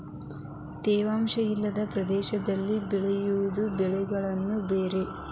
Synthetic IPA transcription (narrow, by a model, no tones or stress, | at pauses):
t̪ɛːʋaːmʃɐjilːɐd̪ɐpɾɐd̪ɛːʃɐd̪ɐlːibɛɭejuʋud̪ubɛɭɛɡɐɭɐnːubeːɾe̞